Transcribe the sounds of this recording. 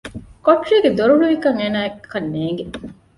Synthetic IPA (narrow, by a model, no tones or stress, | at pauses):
koʈriːɡed̪oɾuɭuʋikɐŋeːnaːekʰːɐnːeːŋ̆ɡe